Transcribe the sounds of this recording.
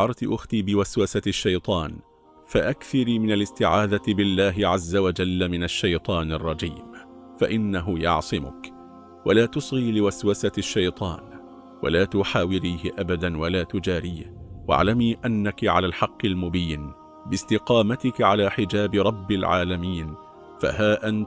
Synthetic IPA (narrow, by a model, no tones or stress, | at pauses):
ɑɾˤt̪ʔʊxt̪iːbɪwaswasaʃːajt̪ˤɑːn | faʔakθɪɾiːmɪnalɪst̪ɪʕaːd̪at̪ɪbɪlːaːɦɪʕazːawad͡ʒalːamɪnaʃːajt̪ˤɑːnɑrˤːɑd͡ʒiːm | faʔɪnːaɦʊjɑ̰ʕsˤɨmʊ̰k | walaːt̪ʊsˤɣiːlɪwaswasaʃːajt̪ˤɑːn | wa̰laːt̪ʊħaːwɪɾiːhɪʔabad̪anwalaːt̪ʊd͡ʒaːɾiːhwa̰ʕlamiːʔanːakʕa̰laːlħɑqːɪlmʊbiːn | bɪst̪ɪqɑːmat̪ɪkʕalaːħɪd͡ʒaːbɪɾˤɑbːɪlʕa̰ːlamiːn | fa̰ɦaːʔant̪